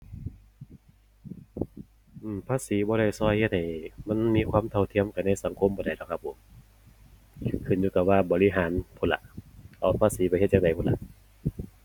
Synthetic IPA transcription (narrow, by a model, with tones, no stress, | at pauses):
ʔɯː˧˩mpʰaː˧˥˨siː˨˦bɔː˧ɾa˧˩jsɔː˧˩jhe˧t̪̚ha˨˩jma˧˥˨nmiː˧˥˨kʰwaː˧˥˨mt̪ʰa˧˩wt̪ʰi˧˨əmka˨˧˩nːa˧˥˨jsa˨˦ŋkʰo˧˨mbɔː˧˦da˨˩jdɔː˧˩kʰa˧pʰːo˨˦m | kʰɯ˧˩njuː˧t̪ɔ˧˩waː˧˩bɔː˨li˧ɦaː˨˦npʰo˧˩nla̰˧ʔʔɔ˧˩pʰaː˧˥˨siː˨˦bɔ˧˨˦he˧t̪̚t͡ɕa˧ŋda˨˩jpʰo˧˥nla̰˧˨ʔ